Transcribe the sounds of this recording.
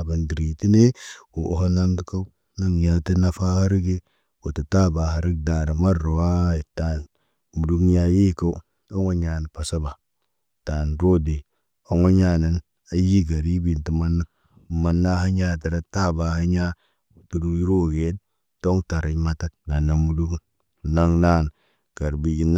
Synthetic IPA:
ba˨ndi˨ɾi˨ti˦ne˦wo˨ʔo˨ɦa˦na˦ŋɡi˦ka˦u˦ | na˦ŋja˨ti˦na˦fa˦ha˦ɾi˦ɡe˦ | wo˨tə˨ta˦ba˨ha˨ɾi˦ɡ̚da˨ɾa˨ma˦ɾo˨wa˦˨ta˨n | mu˨du˦kja˦je˦˨ka˦u˦ | a˦ŋo˦ɲa˨n˨pa˨sa˦ba˨ | ta˨nɾo˦de˨ | o˨˦ŋo˦ɲa˦˨na˨n | a˨ji˦ɡa˨ɾi˦bi˨nti˨ma˦n˦˨ | ma˨nːa˦ɦa˦ɲa˦ta˨ɾa˦ta˦ba˨ha˦ɲa˦˨ | tu˨ɾu˨i˦ɾo˦˨ɡe˨˦n | to˦ŋta˨ɾa˨˦ma˦ta˦na˨na˨mu˨lu˦k | na˦ŋna˦n | ka˨ɾbi˨ji˨˦n˦

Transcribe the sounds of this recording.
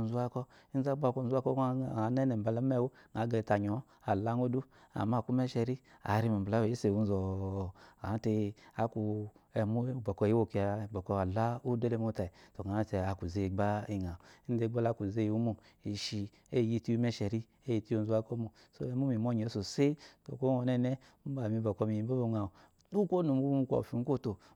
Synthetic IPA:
n˨zu˦a˧˦kɔ˧i˦n̩˦za˦ɡ͡ba˦˨kɔ˧n̩˨zu˦a˦kɔ˦˨a˨˦nɛ˦nɛ˨m̩˨ba˧la˦m˦ɛ˦˨wo˦ŋa˨˦ɡe˧˨˧ta˨ɲɔ˨˦ | a˨la˦ŋo˦du˦ | a̰˨ma˦˨ku˦mɛ˦ʃɛ˧ɾi˦a̰˨˦ɾi˧˦ma˨bla˦we˨e˦se˨u˧n˦zɔ˨ | a˨˦te˧a˨ku˧ɛ˨mu˦ɡ͡bɔ˨kɔ˧˨ji˦o˦˧ki˧a˧˨ɡ͡bɔ˨kɔ˧a˨la˦u˦de˦le˧˦mo˦ta˨i˨to˨ɡa˨˦te˧a˧ku˨ze˨˦˨ɡ͡ba˦i˧ŋa˨˦n˦de˧˦ɡ͡ba˦la˦ku˨ze˦ju˦mu˧ | i˨˧ʃi˧ | e˦˨ji˧ti˦u˧mɛ˦ʃɛ˨ɾi˦ | e˦ji˧ti˧˦o˧˦zu˦a˧˦ko˦mu˧ | so̰˧˦ɛ˧˦mu˦mi˨m˦o˦˨ɲ˨o˨˦so˨se˦to̰˨ko˦ɔ˧nɛ˦nɛ˦mu˦ba˨mi˧˨bɔ˨kɔ˧mi˨i˨˦bo˦bo˧ŋa˨u˨ | du˦ko˦nu˨m˦ku˦mu˧ka̰˨fi˧˨n̩˦ko˦˨to˨

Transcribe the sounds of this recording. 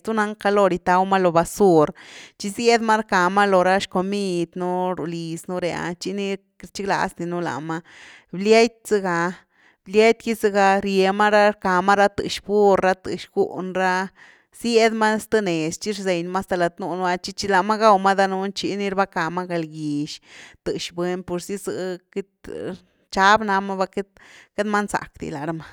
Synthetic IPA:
t̪u˦na˧˦ŋka˧lo˧ɾi˧t̪a˧wma˦lo˨ba˧su˧ɾt͡ʃi˧zje˦d̪ma˦ɾka˨ma˦lo˨ɾa˦ʃko˧mi˦d̪nu˦ɾṵ˨li˨snu˦ɾe˨a̰˧t͡ʃi˦ni˦˧ | ɾt͡ʃi˦kla̰˧˨sni˧nu˦la̰˨ma˦ | blje˦jt̪̚z̥ɨ˧ɡa˧ | blʲje˦jt̪ki˦zɨ˧ɡa˧ɾje˨˧ma˦ɾa˦ɾka˨ma˦ɾa˦t̪ɨ̰˨ʃbu˦ɾa˦t̪ɨ̰˨ʃɡṵ˦ʔnɾa˦ | sje˦d̪ma˦st̪ɨ˦ne˨st͡ʃi˦ɾze˨jnma˦st̪a˧la˨t̪nu˧n˧a˧t͡ʃi˦t͡ʃi˧la˧ma˦ɡa˦wma˦d̪a˧nu˧˦nt͡ʃi˧˦ni˦ɾba˦ka˨ma˦ɡa˧lɡi˨ʃt̪ɨ˨ʃbwe˧npo˧ɾsi˦zɨ̰˧˨ke˦t̪ | t͡ʃa˦bna˧ma˦ba˧ke˦t̪ke˦d̪ma˦nsa̰˨kd̪ḭ˨la˨ɾa˦ma˦

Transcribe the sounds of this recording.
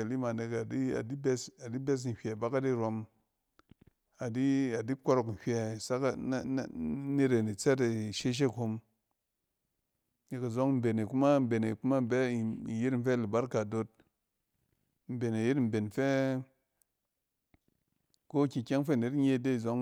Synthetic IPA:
e˨li˦ma˨ne˧ka˨di˦a̰˨di˦bɛ˦sa˨di˦be˦s̬n̩˨hʲʷe˨ba˦ka˦di˦˨ɾo˧m | a˨di˦a˨di˦kʷo˦˧ɾo˧kn̩˨hʲʷɛ˨sa˦ka˦ni˦ɾe˨ni˨t͡se˦ta˨ʃe˦ʃ̬e˦˨kho˧m | ne˧ka˨zo˦ŋ˦m̩˦be˨ne˨ku˦ma˦m̩˦be˨ne˨ku˦ma˦m̩˦bɛ˦˨i˨ji˦tm̩˦fɛ˦li˨ba˦ɾka˨do˧t̚ | m̩˨be˨na˨ji˦tm̩˨be˨n̩˨fɛ˦ | ko˦˨kʲi˨kʲe˦ŋ˦fe˦˨ne˨tɲe˦˨de˦˨zo˦ŋ

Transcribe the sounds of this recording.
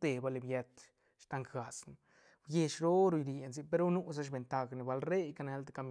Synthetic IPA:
t̪e˧ba˧li˧bje˧t̪ | ʃt̪a˧ŋkɡa˨sn˨ | bje˧ʃɾo˦ɾu˧jɾi˨e˧nzi˧pe˧ɾu˦nu˦s̬a˦ʃ̬be˨nt̪a˧ɡni˨ba˧lɾe˦jka˧ne˧˦lt̪ka˧mi

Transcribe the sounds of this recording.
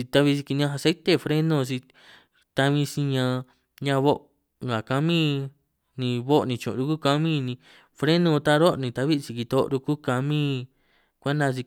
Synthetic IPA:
i˧t̪a˧βi˦˧si˧ki˧nĩ˧ã˧a˧se˦t̪e˦˨fɾe˦nõ˧s̬i˧ | t̪a˧mĩ˧sĩ˧ɲã˧ | ɲã˧βo˦ʔ | ŋɡa˨ka˧mĩ˦ | nĩ˧βo˦ʔnĩ˧t͡ʃõ̰˨ɾu˧ku˦ka˧mĩ˦˧nĩ˧ | fɾe˦nõ˧t̪a˦ɾo˦ʔnĩ˧t̪a˧βi˦˧t͡ʃi˧ki˧t̪o˧ʔɾu˧ku˦ka˧mĩ˦ | kʷa˦nã˧s̬i˧

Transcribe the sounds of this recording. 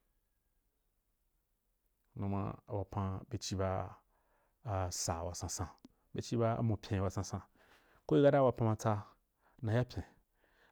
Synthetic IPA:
nũ˧mã̰˧a̰˨wa˨pã˧be˨t͡ʃi˦ba˧˨ | sa˨wa˨sã˧sã˧ | be˨t͡ʃi˦ba˧a̰˨mõ˨pʲʰẽ˨a˨sã˧sã˧ | ko˦i˦ɡa˦da˦wa˨pã˧mã˧t͡sa˧ | nã˧ja˦pʲẽ˨

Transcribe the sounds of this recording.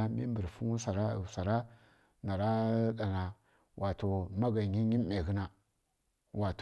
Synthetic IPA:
a˦mḭ˦mbə˨ɾfu˦u˦sa˨ɾa˦˨sa˨ɾa˦ | na˨ɾa˦ɗa˨na˨ | wʔa˨to˨ma˦ɡa˨ɲi˦ɲi˦m˦me˨ɣi˦na˨ | wʔa˨t

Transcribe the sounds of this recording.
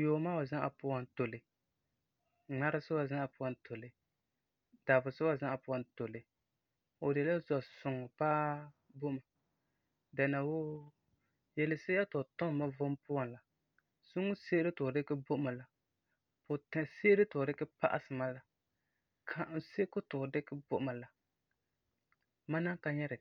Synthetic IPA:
joː˨ma˦o˨zã˦ʔa̰˨pʊ˦a˦nto˨lɪ˨ | ŋ͡ma˦ɾɨ˦sʊ˦ba˨zã˦ʔa˨pʊ˦a˦ntʰo˨lɪ˨ | d̥a˨bʊ˨sʊ˦wa˦zã˦ʔa˨pʊ˦a˨nto˨lɪ˨ | o˨de˨la˦zɔ˨sʊ˨ŋɔ˨paː˦ | bo˦ma˨ | da˨na˨wo˦ | jɛ˨lɪ˨sɪ˦ja˦tʊ˨tɔ˦m˨ma˦vʊ˦mpʊ˦a˨nla˨ | sʊ˦ŋʊ˦se˦ɾɪ˦tʊ˨dɪ˦kɪ˦bʊ˦ʔʊ˦ma˨la˨ | pʊ˨tɛ˨se˦ɾɪ˦tʊ˨dɪ˦kɪ˦pa̰˦ʔa̰˦sɨ˨ma˦la˨ | kʰa˨ʔn˨se˦kʊ˦tʊ˨dɪ˦kɪ˦bʊ˦ʔma˨la˨ | ma˦na˦ka˦ɲɛ˦ɾɪ˨

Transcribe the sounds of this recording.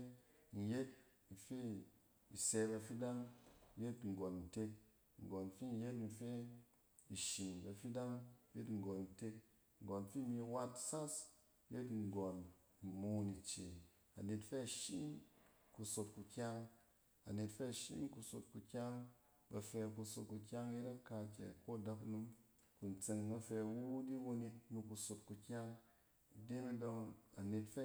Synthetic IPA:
n̩˨je˦t̚ | n̩˨fi˦ | i˨se˧ba˧fi˦da˦ŋ˦je˦tŋ̩˨ɡo˨n̩˨te˧k̚ | ŋ̩˨ɡo˨n˨fi˦n̩˦je˦tn̩˨fe˦ | i˨ʃi˨nba˧fi˦da˦ŋje˦tŋ̩˨ɡo˨nn̩˨te˧k | ŋ̩˨ɡo˨n̩˨fi˦mi˧wa˦tsa˦s | je˦tŋ̩˨ɡo˨n̩˨ | mo˧ni˨t͡ʃe˨ | a̰˨ne˨tfɛ˦˨ʃi˦nku˧so˧t̚ku˧kʲa˦ŋ | a˨ne˨tfɛ˦˨ʃḭ˦nku˧so˧˨t̚ku˧kʲa˦ŋ | bɐ˧fɛ˧ku˧so˨t̚ku˧kʲa˦ŋji˦ɾa˦ka˧kʲɛ̰˨ko˦˨da˧knu˧m | ku˨n˨t͡se˧ŋ˨na˧fɛ˧˨wu˦di˦wo˧ni˧nu˧ku˧so˧t̚ku˧kʲa˦ŋ˨ | de˦mi˦do˧ŋa˨ne˨tfɛ˦

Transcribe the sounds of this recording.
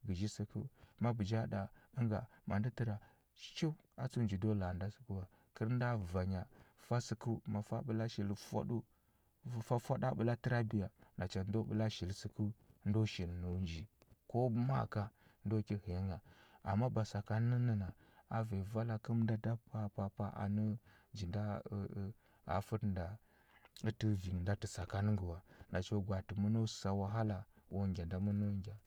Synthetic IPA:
ɡə˨ʒi˦si˨kṵ˦ma˦bə˨d͡ʒa˦da˨ə˦ŋɡa˨ma˨ndi˦ti˨ɾa˨˦ | t͡ʃi˦ | a˨t͡su˦nd͡ʒi˨do˦la˨nda˦sə̥˨˦ku˦wa˨ | kə˦ɾn˦da˦va˨ɲa˨fa˦si˨ku˦ma˨fa̰˦ɓə˨la˦ʃi˨lfa̰˦ɗu˦ | fa˦fa˦ɗa˦ɓə˨la˦tə˦ɾa˦bi˨ja˨na˨t͡ʃa˨ndo˦ɓə̰˨la˦ʃi˨lsi˨ku˦n˦do˦ʃi˨lno˨nd͡ʒi˨ko˦bma̰˦ka˨ndo˦ki˦he˨˦ŋa˨a̰˨mːa˦ba˨sa˨ka˦n˦ə˦nə˨na˨ | a˨ve˨va˦la˨kə˦mnda˦da˦pa˦pa˦pa˦ʔa̰˨nə˦ | d͡ʒi˨nda˦ | a̰˨fu˦tnda˨ | ə˦ti˦vi˨ŋ˨nda˦tə˨sa˨ka˦n˦ŋɡə˨wa˨na˨t͡ʃo˦ɡʷa˨ti˨mu˦no˦˨˦sa˨wa˨ɦa˦la˨wʔo˦ŋɡʲa˨nda˨mu˦no˦ŋɡʲa˨

